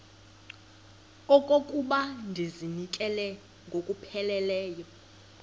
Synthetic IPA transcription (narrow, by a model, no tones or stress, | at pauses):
ɔkʼokʼuɓandʱizinikʼɛlɛ | ŋɡʱokʼupʰɛlɛlɛːjɔ